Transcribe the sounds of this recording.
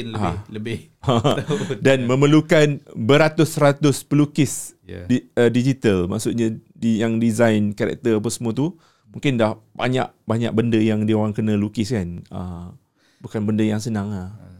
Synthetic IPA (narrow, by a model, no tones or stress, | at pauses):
aləbɪ | adanmə̃məlukanbəɾat̪ʊsəɾat̪ʊspəlukɪs | ədid͡ʒit̪əlma̰ʔsʊt̪̚ɲãdijaŋdizajnkaɾɛ̰k̚t̪ərap̬əsəmũat̪u | mũŋkɪndahba̰ɲa̰ʔ̚ | baɲa̰ʔ̚bəndəjaŋdioɾaŋkənə̃lukɪskanə̰ | bukanbəndəjaŋsənãŋa